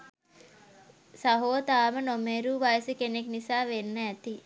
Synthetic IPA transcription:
sɐɦoːt̪aːmɐnomeɾuːʋajsikeneknisaːʋenːɐɛt̪i

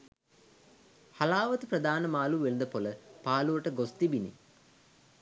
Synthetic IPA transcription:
halaːʋət̪əpɾəd̪aːnəmaːluːʋelnd̪əpoləpaːluʋəʈəɡost̪ibinḭ

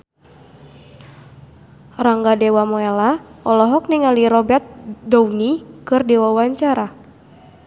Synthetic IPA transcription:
raŋɡadewamɔelaɔlɔɦɔk̚niŋaliɾɔbɛrt̪̚dɔwnikɨrdɛwawaɲt͡ʃaɾa

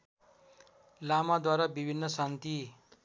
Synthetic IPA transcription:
lamad̪waɾabibʱinːʌsant̪i

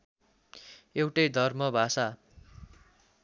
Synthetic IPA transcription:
ewʈʌjd̪ʱʌrmʌbʱasa

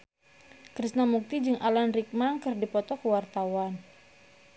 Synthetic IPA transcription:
kɾisnamuk̚t̪id͡ʒɨŋʔalanrik̚makərdipɔt̪ɔkəwart̪awan

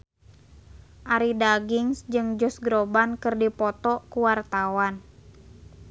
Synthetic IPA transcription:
ʔaɾidaɡiŋsd͡ʒɨŋd͡ʒɔsɡɾobankɨrdipɔt̪ɔkuwart̪awan

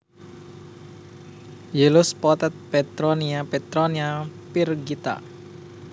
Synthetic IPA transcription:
jelʊspɔt̪ɛt̪̚pɛt̪ɾɔniapɛt̪ɾɔniapirɡit̪a̰

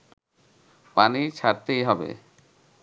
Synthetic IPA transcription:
panit͡ɕʰaɾt̪ejɦɔbḛ

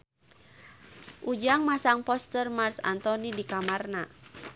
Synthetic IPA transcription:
ʔud͡ʒaŋmasaŋpɔst̪ərmarsa̰nt̪ɔnidikamarna

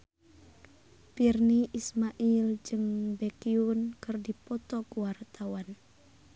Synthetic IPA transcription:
pirniʔismaʔild͡ʒɨŋbekiunkɨrdipɔt̪ɔkuwart̪awan

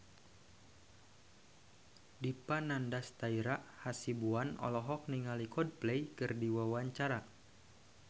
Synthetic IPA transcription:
dipanandast̪aiɾaʔhasibuanɔ̰lɔɦɔk̚niŋalikɔd̚plejkɨrdiwawaɲt͡ʃaɾa

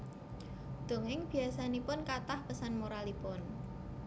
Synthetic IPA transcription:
d̪̥o̤ŋɪŋb̥i̤asanipʊnkat̪ahpəsanmoɾalipʊn

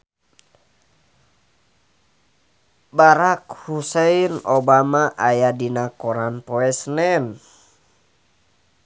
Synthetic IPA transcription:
baɾakhusɛinɔbamaʔajadinakɔɾanpɔɛsnɛn

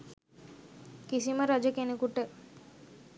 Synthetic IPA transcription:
kisimɐɾɐd͡ʒɐkenukuʈːe

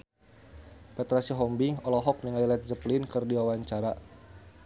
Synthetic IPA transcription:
pɛt̪ɾasiɦɔmbiɔlɔɦɔk̚niŋajlɛt̪̚zəplɪnkɨrdiwawaɲt͡ʃaɾa

